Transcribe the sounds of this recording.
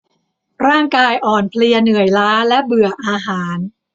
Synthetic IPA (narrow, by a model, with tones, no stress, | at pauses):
ɾaː˥˩ŋkaː˧jʔɔː˨˩npʰli˧ənɯ˨˩əjlaː˦˥lɛ˦˥bɯ˨˩ɐʔaː˧ɦaː˩˦n